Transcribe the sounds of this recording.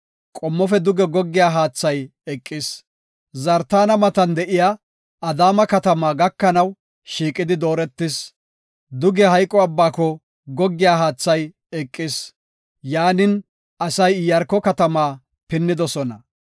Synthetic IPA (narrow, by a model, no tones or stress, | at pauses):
kʼɔmːɔfɛd̪ʊɡɛɡɔɡːɪjaːɦaːt͡sːɐjɛkʼːɪs | zɐɾt̪aːnɐmɐt̪ɐnd̪ɛʔɪja | ɐd̪aːmɐkɐt̪ɐmaːɡɐkːɐnɐw | ʃiːkʼɪd̪ɪd̪o̞ːɾɛt̪ːɪs | d̪ʊɡɛhɐjkʼːɔɐbːaːkɔ | ɡɔɡːɪjaːɦaːt͡sːɐj | ɛkʼːɪs | jaːnɪn | ʔɐsɐjɪjɐɾkːɔkɐt̪ɐmaː | pɪnːɪd̪ɔsɔnɐ